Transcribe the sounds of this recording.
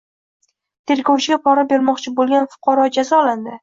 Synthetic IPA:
t̪ʰe̞ɾɡʲɒwt͡ʃʰɪɡʲapʰɒɾabe̞ɾmɒqt͡ʃʰɪbolˠɡʲanfʊ̥qʰɑɾɒd͡ʒazɒland̪ɪ

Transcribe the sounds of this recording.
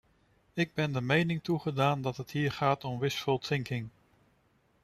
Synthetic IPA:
ɪɡ̚bɛndəɹmejnɪŋtuχədaːndɑtɦətɦiːɹχaːtɔmʋɪsfəlˠtsɪŋkɪŋ

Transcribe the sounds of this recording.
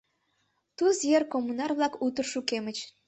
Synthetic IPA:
t̪uzjerkomːunɑrβlˠɑkut̪ə̆rʃukemɘ̆t͡ɕ

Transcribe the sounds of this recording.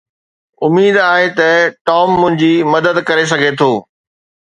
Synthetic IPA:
ʊmiːd̪aːɦet̪ɐʈɔːmːʊ̃ɦɪ̃ɲd͡ʑimɐd̪əd̪kɐɾes̬ɐɡʱet̪ʰoː

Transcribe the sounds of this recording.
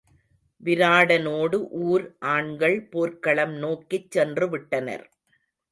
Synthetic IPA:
ʋɪɾaːɽɐnoːɽɯʔuːɾʔaːɳɡɐɭpoːɾkɐɭɐmnoːkːɪt͡ʃːɛndrɯʋɪʈːɐnɐ̰ɾ

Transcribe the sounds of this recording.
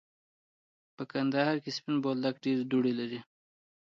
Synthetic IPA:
pəkand̪aɦɑɾkespinbold̪akɖeɾd̪uɽelaɾi

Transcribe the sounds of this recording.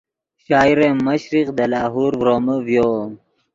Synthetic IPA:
ɕaːiɾemmːɐɕɾiqd̪ɐlaːɦuːɾvɾoːməvjom

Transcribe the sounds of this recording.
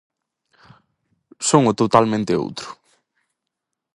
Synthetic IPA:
soŋʊt̪ot̪almẽnt̪ɪo̰wt̪ɾʊ̥

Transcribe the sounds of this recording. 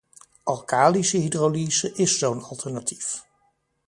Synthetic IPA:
ʔɑlˠkaːlisəɦidroliːzəʔɪsownɑlˠtʰɛɹnatʰif

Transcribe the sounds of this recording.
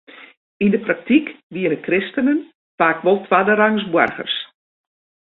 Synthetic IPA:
indəprak̚tikʋiənəkrɪstənən | faːkʋɔlˠtʰʋadəɾaŋsbwɔ̰rɣə̰rs

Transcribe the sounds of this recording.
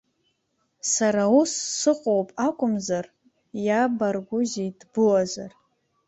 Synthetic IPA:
saɾausːɨqʷʼowpʼakʷʼʊmzar | jabarɡʷʊzedbʊwazʷar

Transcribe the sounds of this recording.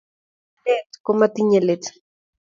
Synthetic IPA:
et͡skomat̪iɲelet͡s

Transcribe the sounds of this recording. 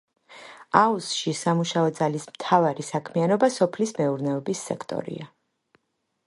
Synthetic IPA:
ausʃisamuʃaɔd̪zalismt̪ʰavaɾisakʰmianɔbasɔpʰlismɛuɾnɛɔbisːɛ̰kʰt̪ʼɔ̰ɾḭa

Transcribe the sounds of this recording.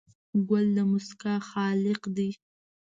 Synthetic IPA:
ɡald̪əmʊskɑxɑlɪqd̪i

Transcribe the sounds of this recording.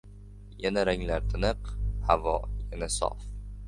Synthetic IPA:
janaɾaŋlaɾt̪ʰɪnɨqhavɒjanasɒ̰f

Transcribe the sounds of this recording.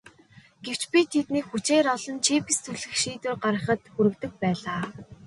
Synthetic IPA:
ɡ̥ew̥t͡ɕpʲiːt̪ʰet̪niːkxut͡ɕeːɾɔɮɞ̆nt͡ɕʰipist͡sʰuɮɘ̆xʃiːt̪wɘ̆rɢaɾə̆χə̆t̪xuɾɘ̆kt̪ɘ̆k̚pæːɮaː

